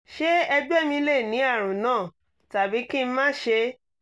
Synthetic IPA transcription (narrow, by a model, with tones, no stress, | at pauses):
ʃe˦ɛ˧d͡ʒɛ˦˨mĩ˧le˦˨nĩ˨˦a˦˨ɾ̃ũ˨nãː˦˨ | ta˨bi˨˦ki˦˧m̩˦mãː˦ʃe˧